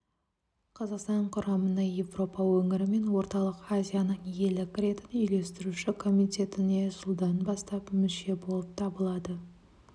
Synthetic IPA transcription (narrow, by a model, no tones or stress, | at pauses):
qʰɑzɑqst̪ɑɴqʰʊɾɑmənəje̞vro̞pɑwɵŋɪɾɪme̞nwo̞ɾt̪ɑlˠəqazʲijanəɴje̞lɪkʲɾe̞t̪ɪnʏjle̞st̪ɪɾuʃɪkʰo̞mijt̪ʲe̞t̪ɪne̞sʊlˠd̪ɑnbɑst̪ɑpmɪʃe̞bo̞lˠəp̚t̪ʰɑbəlˠɑd̪ə